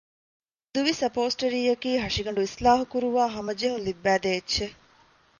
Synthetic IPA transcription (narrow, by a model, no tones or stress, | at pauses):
d̪uʋisɐpoːsʈɐɾiːjɐkiːɦɐʂiɡɐɳɖuislaːɦukuɾuʋaːɦɐmɐd͡ʒeɦunlibːæːd̪eːetːʃe